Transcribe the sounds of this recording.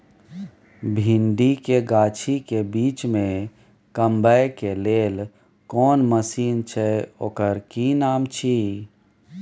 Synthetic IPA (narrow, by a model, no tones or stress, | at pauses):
bʱiɳɖikeɡaːt͡ʃʰikebiːt͡ʃmẽ | kəmbəjkeleːl | kɔːnməsiːnt͡ʃʰɛo̰ːkəɾkinaːmt͡ʃʰiː